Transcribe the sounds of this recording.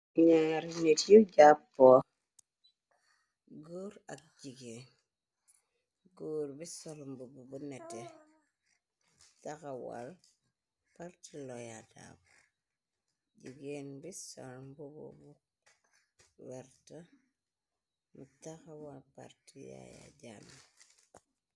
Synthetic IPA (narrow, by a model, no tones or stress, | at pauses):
ɲaɾinetjuɟapːɔ | ɡoːɾak̚d͡ʒiɡen | ɡoːɾbisɔlɔmbububunɛte | takawa̰l | paɾtilɔjada̰b | ɟiɡeːnbisɔ̰lmbubṵbu | wɛɾta | mutaxawalpa̰ɾtija̰ja̰ɟanː